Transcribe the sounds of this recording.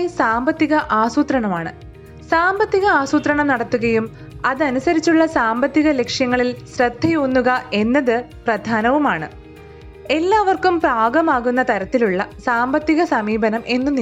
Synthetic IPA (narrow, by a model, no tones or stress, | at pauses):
saːmbɐt̪ːiɣɐʔaːsuːt̪rɐɳɐmaːɳɨ̰ | saːmbɐt̪ːiɣɐaːsuːt̪rɐɳɐmnɐɽɐt̪ːuɣɐjum | ɐðɨɐnusɐɾit͡ɕːuɭːɐsaːmbɐt̪ːiɣɐle̞kʂjɐŋːɐɭilsrɐd̪ʱːɐjonːuɣɐe̞nːɐðɨprɐd̪ʱaːnɐʋumaːɳɨ | e̞lːaːʋɐrkumpraːɡɐmaːɣunːɐt̪ɐɾɐt̪ːiluɭːɐsaːmbɐt̪ːiɣɐsɐmiːbɐnɐmʔe̞nːuni